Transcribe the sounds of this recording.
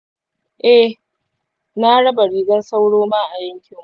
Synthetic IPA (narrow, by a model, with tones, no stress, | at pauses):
ʔɛ˦ | naː˦ɽɐ˦ba˨ɽiː˨ɡɐ˦nsa˦wɽoː˦ma˦ʔa˨jɐ˦ŋkʲɪ˨˦